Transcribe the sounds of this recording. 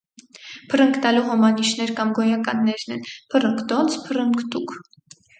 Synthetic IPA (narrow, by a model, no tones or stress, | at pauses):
pʰərəŋkʰt̪ɑluɦɔmɑniʃnɛɾkɑmɡɔjɑkɑnːɛɾnɛ̰npʰərəŋkt̪ɔnt͡sʰpʰərəŋkʰt̪ukʰ